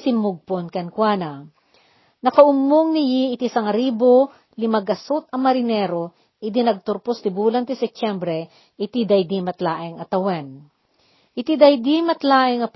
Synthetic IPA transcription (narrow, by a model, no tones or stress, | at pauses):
sɪmːʊɡ̚ponkɐnkwanɐ | nɐkɐʔʊmːoŋnɪjiːt̪isɐŋɐɾiːbo | lɪmɐɡɐsʊt̪̚ɐmːɐɾɪnɛɾo | ʔɪd̪inɐɡ̚t̪ʊɾpost̪ɪbuːlɐnt̪ɪsɛp̚t͡ʃɛmbɾɛ | ʔɪt̪id̪ɐjd̪imɐt̪laːʔɪŋɐt̪ɐwan | ʔɪt̪id̪ɐjd̪imɐt̪laːʔɪŋɐp